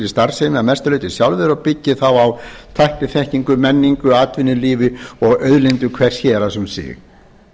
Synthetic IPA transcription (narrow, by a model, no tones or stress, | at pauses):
ɾist̪aɾ̥sɛjmɪamɛst̪lœɥjt̪ɪsjawlvɛðɾɔɣpɪcːɪθawawt̪ʰajhp̪ɪθɛhciŋkʏmɛnːiŋkʏaːt̪vɪnːɪliːvɪɔɣœɥðlent̪ʏkʰvɛr̥sçɛːɾasɛmsɪ̰ːx